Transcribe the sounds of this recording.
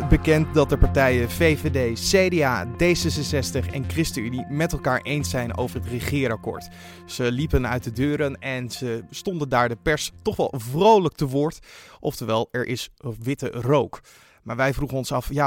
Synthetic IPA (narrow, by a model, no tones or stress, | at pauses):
bəkɛnt̚dɑt̚dəpɑɹtɛjəvejvedejsejdea̰ːdejsɛsənsɛstəχɛ̰nkrɪstəynimɛtɛlˠkaːɹʔejnsɛjno̰wvəɹɦətrəχɪːɾɑkʊ̰ːɹt | səlipənœ̰ɥt̚dədøːɾənɛnz̥əstɔndəndaːɹdəpɛɹstɔχʋɛ̰lˠvrowlək̚təʋʊːɹtʔɔftəɹʋɛlˠɛɹʔɪsʋɪtə̰rowk | maːɹʋɛjvruχənɔnsɑfja